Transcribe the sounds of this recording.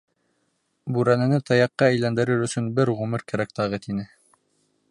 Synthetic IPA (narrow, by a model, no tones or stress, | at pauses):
bʉɾænɘ̆nɘt̪ɑjɑqːɑæjlænd̪ɘ̆ɾɘɾɵ̆sɵnbɘɾʁʉmɘɾkæɾæk̚t̪ɑʁɤt̪inɘ